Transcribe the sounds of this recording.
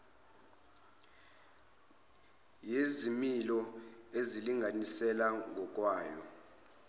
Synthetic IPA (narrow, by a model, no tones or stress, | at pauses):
jezimilɔeziliŋʱanisɛlaŋɔkʼwaːjɔ̰